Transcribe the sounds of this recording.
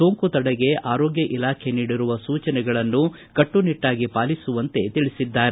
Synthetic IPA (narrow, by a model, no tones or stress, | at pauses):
so̞ːŋkut̪ɐɽɛɡe̞aːɾoːɡjɐʔilaːkʰe̞niːɽiɾuʋɐsuːt͡ʃɐnɛɡɐɭɐnːu | kɐʈːuniʈːaːɡipaːlisuʋɐnt̪e̞t̪iɭisid̪ːaːɾe